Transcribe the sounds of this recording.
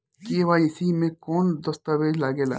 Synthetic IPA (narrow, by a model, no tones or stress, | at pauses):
keβajesimekond̪ost̪aβeslaɣela̰